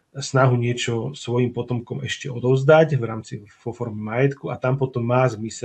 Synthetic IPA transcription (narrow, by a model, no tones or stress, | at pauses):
snaɦuɲɪɛt͡ʃɔsʋɔjimpɔt̪ɔmkɔmɛʃcɛɔd̪ɔʊzd̪acvɾaːmt͡sivɔfɔɾmɛmajɛt̪kuat̪ampɔt̪ɔmːaːzmisɛ